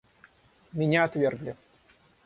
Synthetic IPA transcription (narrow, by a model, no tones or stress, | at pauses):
mʲɪnʲaɐt̪vʲerɡlʲɪ